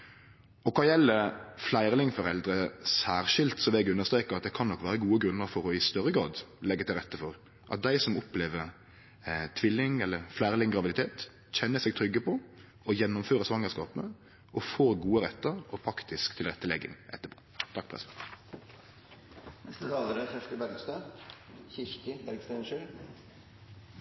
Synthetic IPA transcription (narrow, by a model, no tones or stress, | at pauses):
ɔkʰɑːjɛlːəflæɪɾəlɪŋfɔɾɛld̪ɾəsæːɾʃɪlt̪sɔʋɛɡʉnːəst̪ɾeːkəɾɑt̪̚d̪ɛkʰɑnɔkːʋæːɾəɡuːəɡɾʉnːəɾfɔɾɔɪst̪œɾəɡɾɑ̰ːd̪lɛɡːət̪ɪlɾɛt̪ːəfɔɾ | ʔɑ̰t̪̚d̪æɪsɔmɔpleːʋəɾ | t̪ʰʋɪlːɪŋɛlːəɾflæɪʁlɪŋɡɾɑʋɪd̪ɪt̪ʰeːt̪ | çɛnːəsɛːɡ̚t̪ʰɾʏɡːəpʰɔ | ɔjɛnːɔmføːɾəsʋɑŋːəskɑːpənə | ʔɔfoːɾɡuːəɾɛt̪ːəɾɔpʰɾɑkt̪ɪskt̪ʰɪlʁɛt̪ːəlɛɡɪ̰ŋʔɛ̰t̪ːəpʰo̥ | t̪ʰɑkːpʰʁɛ̰sɛn | nɛst̪ət̪ʰɑːləɾəfœʂʈəbæɾɡst̪øːçɪɾk̪ɪæɾɡst̪enʂʉl